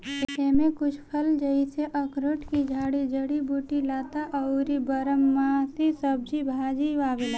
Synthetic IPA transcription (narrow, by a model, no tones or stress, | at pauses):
eːmẽkʊt͡ʃʰpʰəld͡ʒəiseʔɐkɾoʈkid͡ʒʱaːɽid͡ʒəɽibuːʈilaːt̪aʔɐuɾibəɾəmːaːsisəb̚d͡ʒibʱaːd͡ʒiʋaːbɪlaː